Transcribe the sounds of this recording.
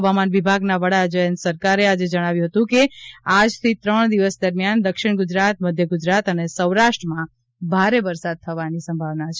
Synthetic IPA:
ʋamanʋibʱaɡnaʋəɽad͡ʒəjənsəɾkaɾead͡ʒed͡ʒəɽ̃aʋjũɦət̪ũkead͡ʒt̪ʰit̪ɾəɳ̃d̪iʋəsd̪əɾmjand̪əkʃɪɽ̃ɡʊd͡ʒɾat̪məd̪ʱjəɡʊd͡ʒɾat̪ənesəwɾaʃʈɾəmã | bʱaɾeʋəɾsad̪̚t̪ʰəʋanisəmbʱaʋnat͡ʃʰe

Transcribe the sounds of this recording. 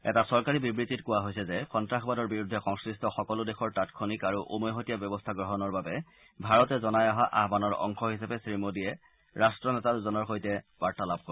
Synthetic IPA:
ɛ̰tasɔɹkaɹibibɹititkʊwaɦojsɛzɛxɔntɹaxɔbadɔɹbiɹudʱːɛxɔŋskɹistʰɔxɔkɔlʊdexɔɹtatkʰonikaɹuʔomɔjɦotijabjɔbɔstʰaɡɹɔɦɔnɔɹbabɛ | bʱaɹɔtɛzɔnajaɦaʔaɦbanɔɹɔ̰ŋxɔɦisapɛsɹimodiɛ | ɹastɹɔnɛtazɔnɔɹxojtɛbaɹtalab̚ko

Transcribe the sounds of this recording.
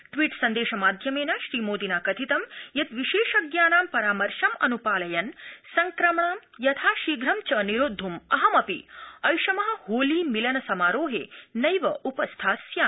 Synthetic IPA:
ʈʋiːʈsɐnd̪eːʃɐmaːd̪ʱjɐmeːnaːʃɾiːmoːd̪inaːkɐt̪ʰit̪ɐmjɐt̪ʋiʃeːʃɐɡjaːnaːmpɐɾaːmɐɾʃɐmɐ̰nupaːlɐjɐnsɐŋkɾɐmɳaːmjɐt̪ʰaːʃiːɡɾɐmt͡ʃɐniɾoːd̪ʱːumɐɦɐmɐpḭɐjʃɐmɐɦɐ̆hoːliːmilɐnɐsɐmaːɾoːɦḛːnɐjʋɐʔupɐst̪ʰaːsjaː

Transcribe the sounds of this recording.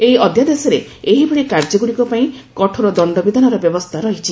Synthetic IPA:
eɦiɔd̪ʱjad̪esɔɾe | eɦibeɽikaɾd͡ʒɔɡuɽikɔpaĩkɔʈʰɔɾɔd̪ɔɳɖɔbid̪ʱanɔɾɔbjɔbɔst̪ʰaɾɔɦit͡ʃʰi

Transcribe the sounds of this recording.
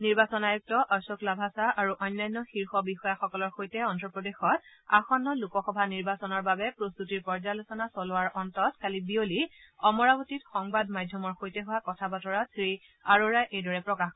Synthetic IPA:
niɹbasɔnajuk̚tɔʔasoklabʱasaʔaɹuʔɔjnːajnːɔxiɹxɔbixɔjaxɔkɔlɔɹxojtɛɔntɹɔpɹɔdexɔtaxɔnːɔlukɔxɔbʱaniɹbasɔnɔɹbabɛpɹost̪utiɹpɔɹd͡ʒalosɔnasɔlʊwaɹɔntɔtkalibioli | ɔmɔɹabotitxɔŋbadmajdʱjɔmɔɹxojtɛɦʊwakɔtʰabatɔɹasɹi | aɹoɹajʔejdɔɹɛpɹɔkax

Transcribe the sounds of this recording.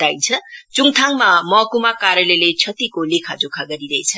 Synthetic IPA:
t̪ajnt͡sʰʌt͡suŋt̪ʰaŋmamʌkumakaɾjʌlelet͡sʰʌt̪ikolekʰad͡zokʰaɡʌɾiɾʌɦet͡sʰʌ

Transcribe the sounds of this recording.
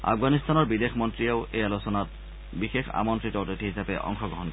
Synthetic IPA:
a̰fɡanist̪ʰanɔɹbidexmɔntɹiaʊʔejalosɔnat̚ | bixexa̰mɔntɹitɔotitʰiɦisapɛʔɔ̰ŋxɔɡɔɦɔnkɔɛ

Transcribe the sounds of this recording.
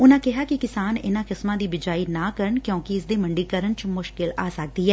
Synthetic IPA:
ʊnãːkɪɦaːkɪkɪsaːnɪ̰nãːkɪsmãːd̪iːbɪd͡ʒaːiːnãːkəɾəɳkjõːkɪɪsd̪eːməɳɖiːkəɾəɳt͡ʃmʊʃkɪla̰ːsək̚d̪iːɦɛː

